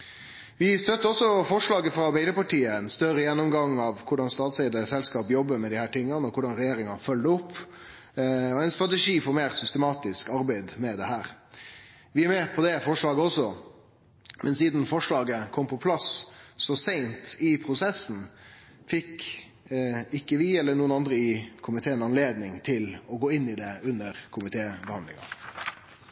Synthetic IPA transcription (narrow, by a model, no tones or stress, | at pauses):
ʋɪst̪œt̪ːəɔsːɔfɔʂɭɑːɡəfɾɑɑɾbæɪd̪əpɑʈiːəɛnst̪œɾəjɛnːʊmɡɑŋːɑʋkʰʊɖɑnst̪ɑːt̪sɛɪd̪əsɛlskɑːpjɔbːəɾmɛd̪ɪhæːʈɪŋːɑnəɔkʰʊɖɑnɾɛjeːɾɪŋɑfœlːəʊpː | ɔɛɪnst̪ɾɑt̪ɛʂiːfɔɾmeːɾsʏst̪əmɑːt̪ɪskɑɾbæɪd̪mɛd̪ɛhæːɾ | ʋɪæɾmɛːpʰɔd̪ɛfɔʂɭɑːɡəɔsːɔ | mɛnsiːd̪n̩fɔʂɭɑːɡəkʰɔmpʰɔpʰlɑssɔsæɪnt̪ɪpʰɾʊsɛsːn̩ | fɪk | ɪkːəʋɪɛlːəɳuːənɑnd̪ɾəɪkʰʊmɪt̪ʰeːənɑnleːd̪nɪŋt̪ʰɪlɔɡoːɪnːɪd̪ɛʉnːəɾkʰʊmɪt̪ʰeːbəhɑnd̪lɪ̰ŋɑ̰